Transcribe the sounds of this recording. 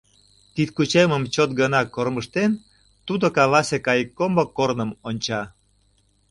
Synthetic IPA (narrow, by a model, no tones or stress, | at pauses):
t̪it̪kut͡ɕeməmt͡ɕot̪̚ɡənɑkorməʃt̪en | t̪ud̪okɑlɑsekɑjəkːombokːornəmonʲt͡ɕɑ